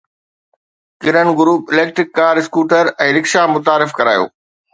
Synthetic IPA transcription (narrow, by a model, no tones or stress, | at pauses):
kɪɾənɡʊɾuːpɪleːk̚ʈɾɪkːaːɾɪskuːʈəɾɛ̃ːɾɪkʃamʊt̪̬aːɾɪfkɐɾa̰ːjo̰ː